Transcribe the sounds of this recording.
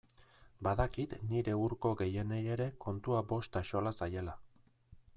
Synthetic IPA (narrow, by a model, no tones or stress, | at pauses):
baðakit̪niɾe̞uɾko̞ɣe̞je̞neje̞ɾe̞kʰo̞nt̪uabo̞st̪aʃo̞lasaje̞la